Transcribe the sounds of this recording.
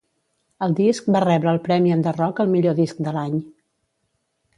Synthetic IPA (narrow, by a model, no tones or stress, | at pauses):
əlˠd̪isk̚barɛβɾəːlˠpɾɛmiənd̪ərɔkəlˠmiʎoðisk̚d̪əlaɲ